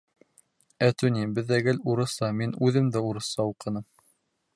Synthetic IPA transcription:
æt̪ʉnʲibɘ̆ðːæɡɘluɾɤ̆sɑminʉðɘmd̪æuɾɤ̆sɑuqɤ̆nɤm

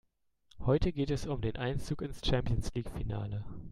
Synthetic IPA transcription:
hɔʏtəɡeːtɛsʊmdeːnʔaɪnt͡suːkɪnst͡ʃɛmpjənsliːkfina̰ːlə

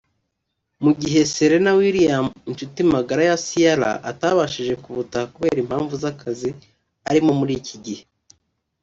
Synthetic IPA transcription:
muɟiɦe̞seɾe̞nawiɾijamint͡ʃutimaɡaɾajasijaɾa̰ʔataβaʃiʒe̞kuβutahakuβe̞ːɾim̥haːɱvuzakʰazi | aɾimo̞muɾiːcʰiɟihe

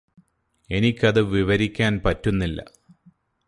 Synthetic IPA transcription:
e̞nikʲːɐðɨʋiʋɐɾikʲːaːnpɐtːunːilːɐ̰

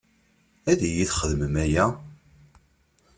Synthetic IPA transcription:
æðijiθχəðməmæjæ

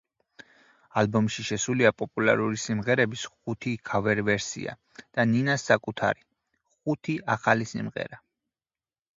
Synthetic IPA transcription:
albɔmʃiʃɛsuliapʼɔpʼula̰ɾuɾisimʁɛɾɛbisχut̪ʰikʰavɛɾvɛɾsḭa̰ | d̪̥aninasːakʼut̪ʰa̰ɾi | χut̪ʰiaχalisḭmʁɛ̰ɾa

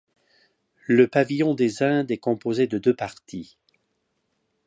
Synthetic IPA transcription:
ləpavijɔ̃d̪ezɛ̃d̪ɛkɔ̃pozed̪əd̪øpaʁt̪ʰi

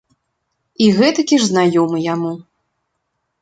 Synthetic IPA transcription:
iɣɛt̪ɐkʲiʐznajɔmɨjamu

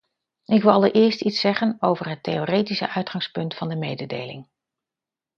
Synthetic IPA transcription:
ɪkʋɪlˠɑlˠəɹʔɪːɹstitsɛχənowvərɦətejoːrejtisəʔœɥtχɑŋspɵntfɑndəmejdədḛjlɪ̰ŋ

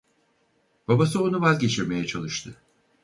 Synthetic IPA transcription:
b̥abasɯo̞nuvazʲɟe̞t͡ʃʰiɾme̞jɛt͡ʃʰalˠɯʃt̪ʰɯ

